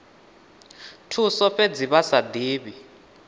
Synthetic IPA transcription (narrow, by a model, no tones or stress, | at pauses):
tʰusɔfed͡ziɓasadʱiːɓi